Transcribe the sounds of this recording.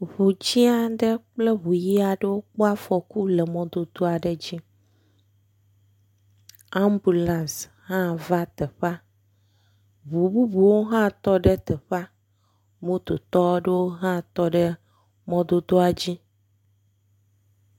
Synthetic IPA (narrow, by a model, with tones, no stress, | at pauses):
βu˨d͡ʑi˦a˦ɖe˦k͡plɛ˦βu˨ji˦a˨ɖe˦wo˦k͡po˦a˦fɔ˨ku˦lɛ˨mɔ̃˨˦d̪o˦d̪o˦a˨ɖe˨d͡ʑi˦ | a˦mbu˨lã˨s | hã˦va˦t̪ɛ˨ɸa˦ | βu˨bu˦bu˨wo˦ɦã˦t̪ɔ˦ɖe˦t̪ɛ˨ɸa˦ | mũ˦t̪o˨t̪ɔ˦ɖe˦wo˦ɦã˦t̪ɔ˦ɖɛ˦ | mɔ̃˦d̪o˦d̪o˦a˨d͡ʑi˦